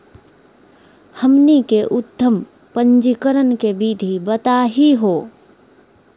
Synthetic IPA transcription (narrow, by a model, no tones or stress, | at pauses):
həmnikeʔʊt̪ʰːəm | pə̃nd͡ʒikəɾənkebiːd̪ʱibət̪aɦiɦoː